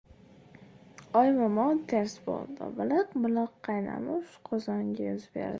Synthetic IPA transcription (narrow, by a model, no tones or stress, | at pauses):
ɒjmɒmɒnt̪ʰeɾsbo̰lˠd̪ɪ̰bɪlakmʊlˠɒqʰːɑjna̰mɪʊʃqʰozɒŋɡʲɪjʊzbe̞̰ɾd̪ɪ